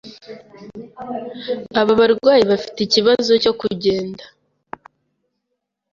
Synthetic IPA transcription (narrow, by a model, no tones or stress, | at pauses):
aβaβaɾɡwaːjiβafi̥teiciβazo̞co̞kuɟe̞ːnda